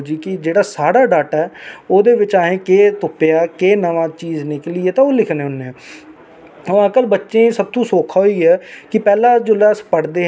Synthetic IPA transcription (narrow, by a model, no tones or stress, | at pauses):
d͡ʒiːkɪd͡ʒeːɽaːsaːɽaːɖaːʈɛːoːd̪eːʋɪt͡ʃaːɦẽːkeːt̪ʊpːjaːkeːnəʋãːt͡ʃiːzneːklɪeːt̪ãːoːlɪkʰnẽːʊnːẽː | əʋãːkəlbətːʃẽːsəb̚t̪ũːsoːkʰaːɦoiːɦɛːkɪpɛːlãːd͡ʒoːlɛːspəɽd̪eː